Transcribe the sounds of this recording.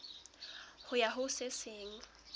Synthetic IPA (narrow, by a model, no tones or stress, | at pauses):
hʊjaɦʊsesɪŋ̩